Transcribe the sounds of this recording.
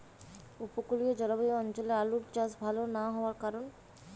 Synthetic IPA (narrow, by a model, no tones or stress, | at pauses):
upokuliod͡ʑɔlabioɔnt͡ɕolealuʈt͡ɕasbʱalonaɦɔoaɾkaɾon